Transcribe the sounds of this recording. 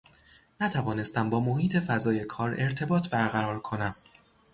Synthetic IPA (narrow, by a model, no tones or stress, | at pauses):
næt̪ʰævɒːne̞st̪æmbɒːmohiːt̪ʰe̞fæzɒːje̞kʰɒːɾe̞ɾt̪ʰe̞bɒːt̪ʰbæɾɣæɾɒːɾkʰo̞næm